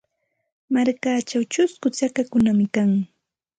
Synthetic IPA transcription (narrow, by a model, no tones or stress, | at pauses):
maɾkaːt͡ʃawt͡ʃʊskʊt͡sakakʊnamɪkaŋ